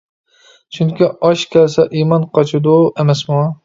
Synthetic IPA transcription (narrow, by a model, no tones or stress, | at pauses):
t͡ʃʰyŋkʲiɑʃkʲʰɛlsɛʔimɑnqʰɑt͡ʃʰud̪uemɛsmu